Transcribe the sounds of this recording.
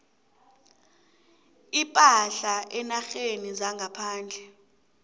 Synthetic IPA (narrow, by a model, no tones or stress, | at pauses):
ipʼaɬaʔɛnaxenizaŋɡʱapʰaːnd͡ɮʱɛ